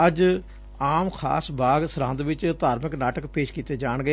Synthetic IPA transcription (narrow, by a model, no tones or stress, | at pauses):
əd͡ʒ | aːmkʰa̰ːsbaːɡsəɾãːnd̪ʋɪt͡ʃt̪aːɾməknaːʈəkpeːʃkiːt̪eːd͡ʒaːɳɡe